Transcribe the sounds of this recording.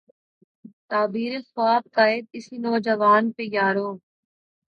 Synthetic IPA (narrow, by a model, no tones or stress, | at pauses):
t̪aːbiːɾesʋaːb̚kaːɪd̪̚ɪsinɔːd͡ʒɐʋaːnpejaːɾoː